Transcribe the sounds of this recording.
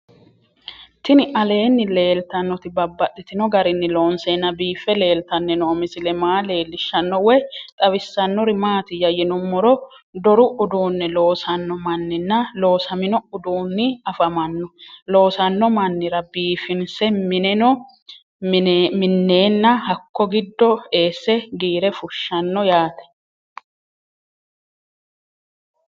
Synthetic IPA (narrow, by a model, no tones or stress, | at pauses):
t̪ɪnɪʔɐle̞ːnːɪle̞ːlt̪ɐnːɔt̪ɪbɐbːɐt̪ːɪt̪ɪnɔɡɐɾɪnːɪlo̞ːnsenːɐbiːfːɛle̞ːlt̪ɐnːɛnɔːmɪzɪlɛmaːle̞ːlːɪʃːɐnːɔwɛjt̪ʼɐβɪsːɐnːɔɾɪmaːt̪ɪjɐjɛnʊmːɔɾɔ | d̪ɔɾʊʔʊd̪uːnːɛlo̞ːsɐnːɔmɐnːɪnːɐlo̞ːsɐmɪnɔʊd̪uːnːɪɐfɐmɐnːɔlo̞ːsɐnːɔmɐnːɪɾɐbiːfɪnsɛmɪnɛnɔ | mɪnːeːnːɐhɐkːɔɡɪd̪ːɔe̞ːsːɛɡiːɾɛfʊʃːɐnːɔjaːt̪ɛ̥